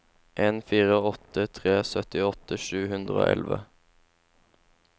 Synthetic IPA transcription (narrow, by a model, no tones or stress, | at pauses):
ʔeːnfiːʁəɔt̪ət̪ʰʁeːsœt̪ɪɔt̪əʃʉːhʉnd̪ʁəo̰ːʔɛ̰lʋə̰